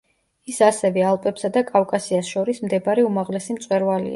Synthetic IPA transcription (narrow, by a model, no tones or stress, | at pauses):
isasɛvɛalˠpʼɛpsad̪akʼafkʼasiasʃɔɾismd̪ɛbaɾiumaʁlɛsimt̪sʼwɛɾvalḭa̰